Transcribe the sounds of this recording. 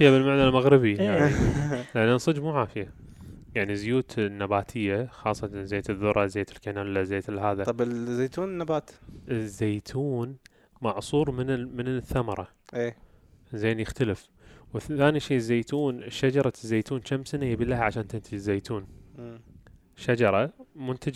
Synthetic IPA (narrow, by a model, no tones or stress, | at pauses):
fijːabɪlmaʕnalmaɣɾɪbijaʕilʔanːasˤɨd͡ʒmuːʕaːfɪja | jaʕnizʊjuːt̪nːabaːt̪ʰɪjːaxɑːsˤːɑt̪anzeːt̪ɪðːʊɾˤʔɑzeːt̪ɪlkanaːllːazeːt̪ɪlːɦaːðaˤɑbɪzːeːjt̪uːnnːabaːt̪ɪzːeːt̪ʰuːn | mɑʕsˤuːɾˤmɪnmɪnθːamɑɾˤɑ | ʔeː | zeːnjɪxt̪alɪf | wθaːniʃiːzːeːt̪uːnʃːad͡ʒɑɾˤɑzːeːt̪uːnʃamsanajabilːaːhaʕaʃaːnt̪ɪnt̪ɪd͡ʒɪzːeːt̪ʰuːnː | ʃad͡ʒɑɾˤɑmʊnt̪ad͡ʒ